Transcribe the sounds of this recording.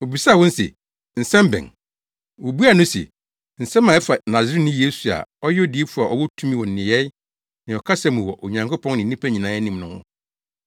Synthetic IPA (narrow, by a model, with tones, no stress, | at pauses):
wo˨bi˨sa˦˨wɔ̃˦n̩˦sɛ̰˨ | n̩˨sɛ̃˦mbɛ̰̃˨ŋ | wo˨bu˦a˨nʊ̃˦sɛ̰˨ | n̩˨sɛ̃˦mã˨ɛ˦fa˨nã˨zɪ˦ɾi˦nʊ̃˦je˦su˨a̰˨ɔ˦jɛ˦ɔ˦di˨e˦fu˦a˨ʔɔ˨wɔ˦tʰũ˦mĩ˦wɔ̃˨n̩˨nɪ̃˨jɛ˦ | nɪ̃˨ɔ˨kʰa˦sɛ̃˦mũ˨wɔ̰˨ʔo˨ɲã˨ŋkʰo˦pʰɔ̃˦ŋnɪ̃˨˦nĩ˦pʰæ˦ɲĩ˨nãː˨˦ɛ˦nĩ˨mnʊ̃˦hʊ̰̃˦